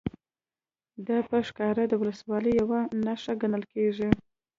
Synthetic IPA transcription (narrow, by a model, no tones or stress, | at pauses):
d̪apəʂkɑɾad̪əwʊləswɑləjːawanaʂaɡanəlkeʐi